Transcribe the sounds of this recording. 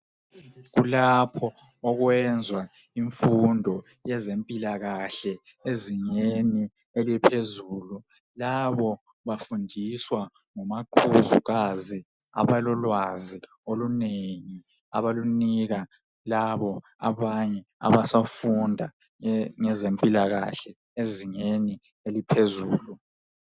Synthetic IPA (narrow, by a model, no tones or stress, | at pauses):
ɣulapʰɔː | ɣwɛnd͡zʱwa | iɱfundʱɔ | jɛzempʼilaɣaɬɛ | eziɲeni | elɛpʰezuːlu | laβɔ | βafundʱiswa | ŋɔmaǃʰuzṵɣazi | a̰βalɔlwazi | oluneŋi | a̰βaluniɣa | laβɔ | a̰βaɲɛa̰βasafundʱa | ŋɛzempʼilaɣa̰ɬɛ | eziŋeni | elipʰezuːlu